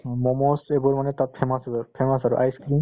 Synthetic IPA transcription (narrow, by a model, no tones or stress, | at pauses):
mɔmɔsebɔɹmanɛtat̚pʰɛmasɔpʰɛmasaɹṵʔajskɹin